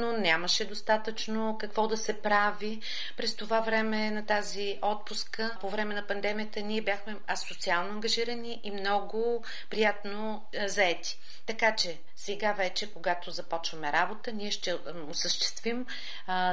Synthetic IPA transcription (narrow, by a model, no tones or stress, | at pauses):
nonʲaməʃɛd̪ost̪at̪ət͡ʃnokɐkvɔd̪ɐsɛpɾavi | pɾɛst̪ovavɾɛmɛnɐt̪azi | ɔt̪̚pʊskəpovɾɛmɛnɐpɐnd̪ɛmijət̪əniɛbjaxmɛɐsot̪sialˠnoɐŋɡɐʒiɾəniʔimnɔɡʊ | pɾijat̪no | zɐɛt̪i̥ | t̪ɐkat͡ʃɛ | sɛɡavɛt͡ʃɛkoɡat̪ozɐpɔt͡ʃvəmɛɾabot̪əniɛʃt̪ɛ | osəʃt̪ɛ̥st̪vim